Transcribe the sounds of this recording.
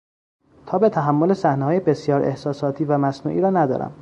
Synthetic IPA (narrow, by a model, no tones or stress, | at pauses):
t̪ʰɒːbe̞t̪ʰæɦæmːo̞lesæhneɦɒːjebe̞sjɒːɾʔe̞hsɒːsɒːt̪ʰiːvæmæsnṵːʔiːɾɒːnæd̪ɒ̰ːɾæ̰m